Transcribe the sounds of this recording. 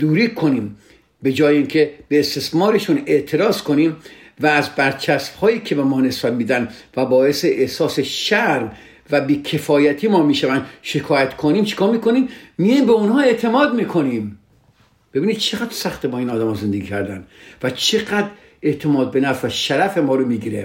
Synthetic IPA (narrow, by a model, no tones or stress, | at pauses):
d̪̥uːɾiːkʰo̞niːm | be̞d͡ʒɒːjeiːŋkʰe̞b̥eːst̪e̞smɒːɾe̞ʃune̞ʔt̪ʰe̞ɾɒːzkʰo̞niːmvæːzbæɾt͡ʃʰæsbhɒːjiːkʰe̞bemɒːne̞sbæd̪miːd̪ænvæbɒːe̞seʔehsɒːseʃæɾm | væbiːkʲʰe̞fɒːjæt̪ʰiːmɒːmiːʃævænd̪ʃekʰɒːjæt̪kʰoniːmt͡ʃʰe̥kʰɒːɾmiːkoniːmːijɒimbeonhɒːe̞ʔt̪ʰe̞mɒːd̪miːkʰo̞nim | b̥e̞biːnid̪̥̚t͡ʃʰe̞ɣæd̪ɾsæxt̪ebɒːiːnɒːd̪æmɒːze̞nd̪eɡiːcʰæɾd̪ænd̪væt͡ʃʰe̞ɣæd̪ɾ | e̞ʔt̪ʰe̞mɒːd̪̚be̞næfvæʃæɾæfe̞mɒːɾomiːɡiːɾe